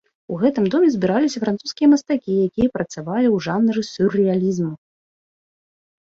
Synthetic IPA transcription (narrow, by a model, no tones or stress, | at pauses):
uɣɛt̪ɨmd̪ɔmʲɛzʲbʲiɾalʲisʲɐfɾant̪suskʲijɐmɐst̪akʲijakʲijɛpɾɐt̪savalʲiwʐanɾɨsʲurɨjalʲizmu